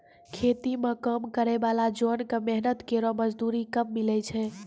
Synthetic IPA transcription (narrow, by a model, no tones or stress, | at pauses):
kʰet̪imekəmkəɾɛbalad͡ʒonkəmɛɦnət̪keɾɔməd͡ʒd̪uɾikəmːilɛt͡ʃʰɛ̃